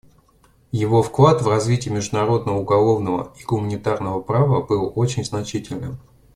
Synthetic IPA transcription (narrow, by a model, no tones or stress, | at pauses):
jɪvo̞fklˠat̪vrɐzvʲitʲɪjəmʲɪʐd̪ʊnɐɾo̞d̪nəvəʊɡɐlˠo̞vnəvə̰iɡʊmənʲɪt̪arnəvəpɾavəbɨlˠot͡ɕɪnʲznɐt͡ɕitʲɪlʲnɨ̰m